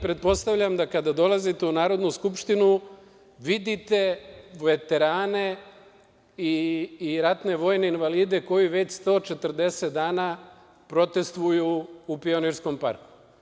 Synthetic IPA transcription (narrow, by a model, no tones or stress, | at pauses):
pɾe̞t̪̚po̞st̪aʋʎamd̪akad̪ad̪o̞lazit̪eunaːɾo̞d̪nuskupʃt̪inu | ʋid̪it̪e̞ʋe̞t̪e̞ɾaːne̞ | iːɾat̪ne̞ʋo̞ːjne̞inʋaliːd̪e̞ko̞jiʋe̞t͡ɕst̪o̞ːt͡ʃe̞t̪ərd̪e̞se̞t̪̚d̪aːna | pɾo̞t̪e̞st̪ʋujuːpio̞niɾsko̞mpa̰ɾku̥